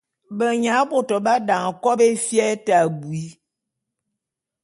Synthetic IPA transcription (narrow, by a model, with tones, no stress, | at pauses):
bə˨ɲa˨˦bo˨tɔ˨ba˦da˨ŋ˨kɔ˦be˦fjɛ˦ta˨bu˨i˨˦